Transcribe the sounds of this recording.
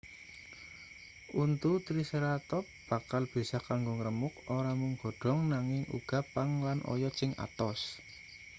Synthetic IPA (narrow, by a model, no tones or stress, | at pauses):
ʔunt̪ut̪ɾisəɾat̪ɔp̚b̥a̤kalb̥i̤sakaŋɡoŋɾəmʊk̚oɾamuŋɡ̥ɔ̤ɖ̥ɔ̤ŋnaŋɪŋṵɡ̥a̤pːaŋlanʔɔ̰jɔt͡ʃɪŋʔa̰t̪ɔs